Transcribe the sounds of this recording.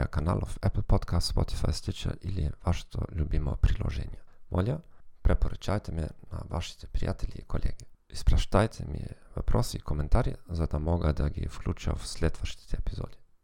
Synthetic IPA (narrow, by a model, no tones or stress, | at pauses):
akana̰lˠʔofɛpl̩pot̪kast̪spot̪ʰi̥fajst̪it͡ʃa̰liliʋaʃe̥t̪o̰ʎʲubimopɾilˠoʒeːɲamolʲapɾepoɾut͡ʃajt̪emɛnaʋaʃi̥t̪e̥pɾija̰t̪ʰeʎʲiikʰolʲʔḛːɡeispɾaʃt̪ajt̪ʰemḭjevapɾosiikoment̪aːɾizad̪amoɡad̪aɡifklʲuːt͡ʃa̰uslʲet̪ʋaʃt̪i̥t̪ʰeepizoːd̪i